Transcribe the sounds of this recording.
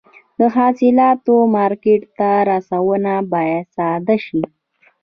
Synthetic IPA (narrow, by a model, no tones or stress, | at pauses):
d̪əɦɑsɪlɑt̪omɑɾkeʈt̪aɾasawənabɑjad̪sɑd̪aʃi